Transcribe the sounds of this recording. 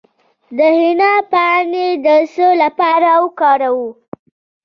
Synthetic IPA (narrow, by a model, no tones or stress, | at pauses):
d̪əhɪnɑpɑned̪əsəlapɑɾawkɑɾawu